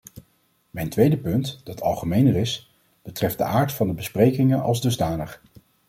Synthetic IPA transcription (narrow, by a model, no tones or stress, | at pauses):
mɛjntʋejdəpɵntd̥ɑtʰɑlˠχəmejnərɪs | b̥ətrɛfd̚də̰ʔaːɹtfɑndəbəsprejkɪŋənʔɑ̰lˠzdɵzdaːnəχ